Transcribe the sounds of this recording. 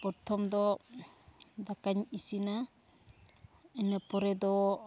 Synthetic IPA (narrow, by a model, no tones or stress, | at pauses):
pɔɾtʰɔmdɔ | dakaɲisina | anapɔɾedɔ